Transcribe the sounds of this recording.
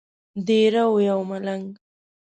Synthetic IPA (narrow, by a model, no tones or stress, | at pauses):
d̪eɾawjawmalaŋɡ